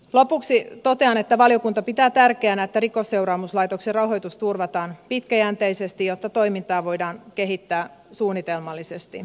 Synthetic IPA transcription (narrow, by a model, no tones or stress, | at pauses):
lopuksit̪o̞t̪e̞ɑnet̪ːæʋɑlijo̞kunt̪ɑpit̪æːt̪ærkeænæet̪ːæɾiko̞sːe̞urɑːmuslɑjt̪okserɑwɦo̞jt̪ust̪urʋɑt̪ɑːnpit̪kæjænt̪ejsest̪ijot̪ːɑt̪o̞imint̪ɑːʋo̞jdɑːnke̞ɦit̪ːæː | suːnːit̪elmɑlːisest̪i